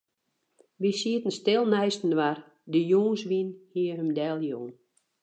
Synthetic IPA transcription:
ʋisiətən̩stɪlˠnɛjstn̩ʋar | dəjuːnsʋinhiːərhəmdɛlˠjuːn

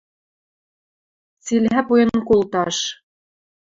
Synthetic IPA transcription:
t͡silɦæpujɤ̆nkolˠt̪ɑʃ

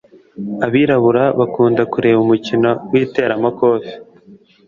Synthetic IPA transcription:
aβiːɾaβuɾaβakuːndakuɾe̞ːβumucinowiːte̞ːɾamakoːfi̥

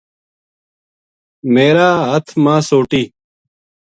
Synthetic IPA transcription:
meːɾaːɦət̪ʰmãːsoːʈiː

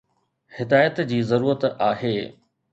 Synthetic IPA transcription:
hɪd̪aːjət̪d͡ʑiːzɐɾuːɾət̪aːɦeː

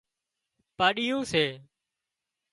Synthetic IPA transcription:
paːɗɪjũːseː

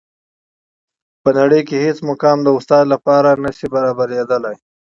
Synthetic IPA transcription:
pənaɽəjkehesmʊkɑmd̪əʊst̪ɑd̪lapɑɾanaʃibaɾɑbaɾed̪əlaj

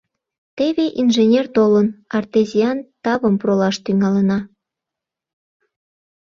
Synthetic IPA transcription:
t̪eβeʔinʒenʲert̪olənɑrt̪ezʲiɑnt̪ɑβəmprolɑʃt̪yŋɑlənɑ

